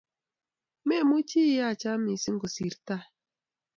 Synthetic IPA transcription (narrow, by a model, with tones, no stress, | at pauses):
me˦˨mu˦t͡ʃi˦ja˦˨t͡ʃa˦mi˨si˦ŋ̩˦ɡo˨si˨ɾta˦